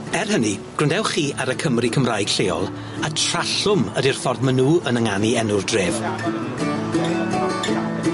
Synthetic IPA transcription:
ɛrɦəniɡ̥rʊndɛwχiːaɾəkʰəmrikʰəmraːjɡ̥ɬeːɔ̰lˠ | atʰr̥aɬʊmədirfɔrðmənuːənəŋaniɛnʊrdreːv

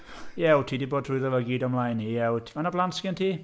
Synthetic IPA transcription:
jɛwtʰiːdiboːdʰruɨðəvəɡiːdɔmlˠajnijɛwtʰmanablanskɪntʰiː

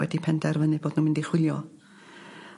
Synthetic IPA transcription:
wɛ̰dipʰɛndɛrvənɨboːd̥numɪndiχwɪlˠjɔ

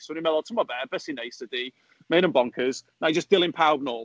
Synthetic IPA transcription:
sonimɛlˠɔtʰəmabɛb̥ɛsineɪsədi | meɪnə̃nbɔ̃ŋkʰəz̥nad͡ʒʌsd̥ɪlˠɪ̃npʰaʊb̚nɔːˑ

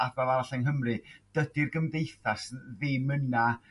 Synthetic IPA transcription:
afmavaɾaɬɛŋɦəmrɨd̥ədirɡəmðejθasðɪməna

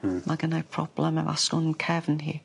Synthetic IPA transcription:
mʔaɡənapʰɹ̥ɔ̰b̥lɛməva̰stʊnkʰɛvənhḭː

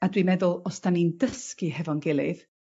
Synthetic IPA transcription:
adwimɛðʊlˠɔsd̥anindəskɨhɛvɔnɡɪlˠɨð

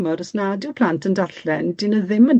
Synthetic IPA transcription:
mɔɾəsnadɪwpʰl̥antʰəndaɬɛnd̥ɪnəðɪmən

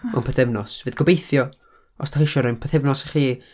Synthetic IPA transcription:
ma̰npʰɛθɛvnɔsv̥ɨːdɡ̥ɔbejθjɔ | ɔsd̥ʰaχɪʃɔɾɔjnpʰɛθɛvnɔsaχiː

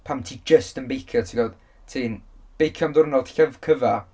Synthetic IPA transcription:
pʰamtʰid͡ʒəstənbejkʰjɔtʰiɡɔwð | tʰiːnb̥ejkʰjɔmdʊrnɔlˠd̥ɬəvkʰəva

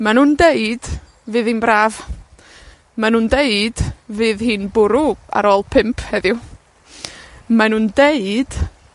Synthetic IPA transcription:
manuːndeɨd̥ | vɨːðiːnbɾaːv | manuːndeɨd̥vɨːðhiːnbʊɾua̰ɾoːlˠpʰɪmpʰhɛðjʊ | manuːndeɨd̥

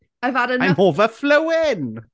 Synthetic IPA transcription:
ajvadəãmɔːvəfləwɪn

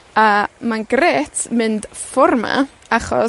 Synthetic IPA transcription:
amanɡreːtʰmɨnd̥fɔrma̰ | aχɔ̰

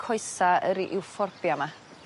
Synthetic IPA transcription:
kʰɔɨsaəɾiʔɪwfɔrbjama

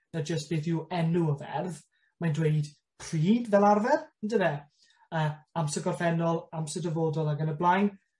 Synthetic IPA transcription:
nad͡ʒəstb̥eːθjuɛnuəvɛ̰rð | majndweɨd | pʰr̥iːdvɛlˠarvɛrəndəðɛ | əːamsəɡɔrθɛnɔlˠamsədəvoːdɔlˠaɡənəblˠajn

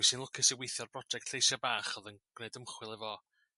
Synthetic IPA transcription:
isɨnlʊkʰɪsiwejθjɔrbrɔd͡ʒɛk̚tʰejsabaːχɔðənɡ̥nejdəmχwɪlˠɛvɔ

